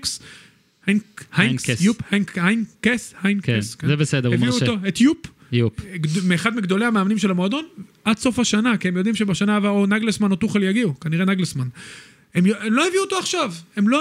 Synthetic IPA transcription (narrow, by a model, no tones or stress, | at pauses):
ks | hanhaeuphajnhajnkeshajnkeskzebesed̪eʁevmiutoet̪jup | jupmeːχad̪miɡd̪o̞leameːmnimʃe̞lamoad̪o̞nʔad̪so̞faʃanakiemjo̞d̪imʃebaʃanaːvaonaɡlesmanot̪uχeljaɡikaniʁenaɡlesman | emjoemloheviuːt̪o̞aχʃave̞mlo̞